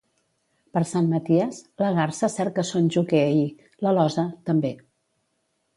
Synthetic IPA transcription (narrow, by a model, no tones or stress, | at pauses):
pəɾsanmət̪iəzləɣarsəsɛɾ̚kəsonʲʒukei | ləlɔzət̪əmbe